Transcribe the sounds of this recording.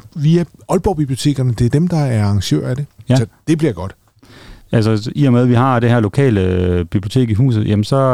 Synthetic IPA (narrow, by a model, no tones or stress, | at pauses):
ʋiæɒ̽lb̥ɒʊb̥ib̥lio̝̥t͡sʰe̝̰ːɡ̥ɐnəd̥e̝æɐd̥emd̥ɑ̈æɐɑ̈ŋɕø̰ɐ̰æde̝sd̥e̝b̥liɐ̰ɡ̥ɒ̽d̥ | ælsəiɐmeðˠʋihɑ̈d̥ehɛɐlo̝kʰɛ̰ːləb̥ib̥lio̝t͡sʰe̝̰ːɡ̥iɦṵːsð̞̩ˠjemənsɒ̽